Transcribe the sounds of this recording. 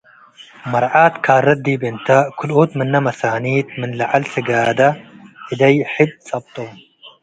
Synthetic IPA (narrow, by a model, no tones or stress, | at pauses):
mɐɾˤʕaːt̪kʰaːrˤːɐd̪ːiːbent̪akʰʊlʔoːt̪mɪnːɐmɐsaːniːt̪mɪnlaʕalsɪɡaːd̪ɐʔɪd̪ɐjħɪb̚sɐb̚t̪ˤom